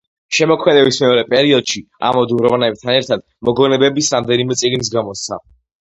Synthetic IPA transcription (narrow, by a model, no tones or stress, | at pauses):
ʃɛmɔkʰmɛd̪ɛbismɛɔɾɛpʼɛɾiɔd̪ʃi | a̰mɔd̪uɾɔvanɛb̚t̪ʰanɛɾt̪ʰad̪ | mɔɡɔnɛbɛbisɾamd̪ɛnimɛt̪sʼiɡnis̬ɡamɔst̪sʰa̰